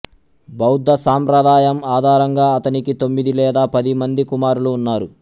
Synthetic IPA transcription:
bɐwd̪ːɐsaːmpɾɐd̪aːjɐmaːd̪ʱaːɾɐŋɡaːɐt̪ɐnikit̪o̞mːid̪ilɛːd̪aːpɐd̪imɐnd̪ikumaːɾuluːnːaːɾu

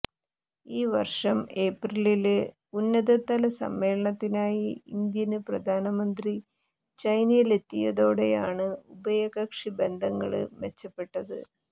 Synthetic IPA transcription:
iːʋɐ̰rʂɐme̞ːprilil | unːɐðɐt̪ːɐlɐsɐ̰mːe̞ːlɐɳɐt̪ːinaːjiind̪jɐnɨprɐd̪ʱaːnɐmɐnd̪ri | t͡ɕɐjnɐjile̞t̪ːijɐðo̞ːɽe̞jaːɳɨubɐjɐɣɐkʂibe̞nd̪ʱɐŋːɐ̰ɭɨ̰met͡ɕːɐpːe̞ʈːɐðɨ

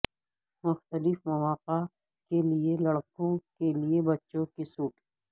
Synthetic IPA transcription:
mʊxt̪əlɪfmɐʋaːqa | kelielɐɽkõkeliebɐtːʃõkisuːʈ

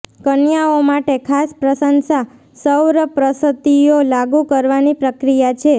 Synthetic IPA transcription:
kənjaomaʈekʰaspɾəsənsa | səwɾəpɾəsət̪iolaɡukəɾʋanipɾəkɾijat͡ʃʰe

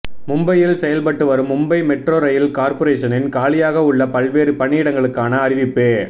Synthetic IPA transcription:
mʊmbɐjɪlsɛjɐlpɐʈːɯʋɐɾɯmːʊmbɐɪmɛʈroːɾɐjɪlkaːɾpɔɾeːʂɐnɪnkaːlɪjaːɣɐʊɭːɐpɐlʋeːɾɯpɐɳːiːɽɐŋɡɐɭɯkːaːnɐːɾɪʋɪpːeː

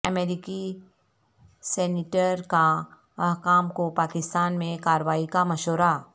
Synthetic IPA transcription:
əmeːɾɪki | sɛːnɪʈəɾka | ɐɦkaːmkopaːkɪst̪aːnmẽkaːɾʋaːikamɐʃoːɾa

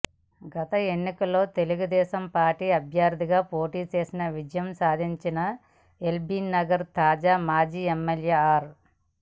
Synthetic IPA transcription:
ɡɐt̪ɐe̞nːikɐlːo̞ːt̪e̞luɡud̪ɛːʃɐmpaːɾʈiːɐbʱjaːɾd̪ʱiɡaːpo̞ːʈiːt͡ʃe̞ːsinɐʋid͡ʒɐjɐmsaːd̪ʱiɲt͡ʃinɐ | e̞lbinɐɡɐɾt̪aːd͡ʒaːmaːd͡ʒiːemːeljeːaːɾ

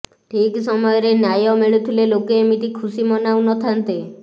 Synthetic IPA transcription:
ʈʰiksɔmɔjɔɾenjajɔmeɭut̪ʰilelokeːmit̪ikʰusimɔnawnɔt̪ʰant̪e

